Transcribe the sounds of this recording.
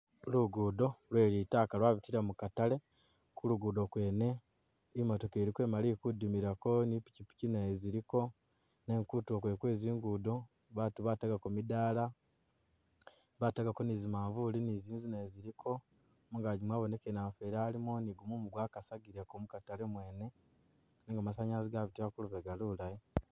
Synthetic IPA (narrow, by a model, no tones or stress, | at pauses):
luɡudo̞lwe̞ːɾitaːkalwaːβitiɾamukatale̞ | kuluɡuːdo̞kwe̞ːne̞ | imoto̞keːɾikwe̞malikudimiɾako̞nipi̥cipi̥cinajeziɾiko̞ | ne̞ŋkutuokwe̞kwe̞ːziːŋɡuːdo̞ | βaːtuβataɡakomidaːla | βataɡako̞nizimaːɱvuliniziːzinajeziɾikʰo̞ | muŋɡaɟimwaːβo̞ne̞kenaːfeɾaːlimoniɡumumuɡwaːkasaɡiɾekomukatalemwe̞ːne̞ | neŋɡamasaɲaziɡaβitiβakuluβeɡalulaje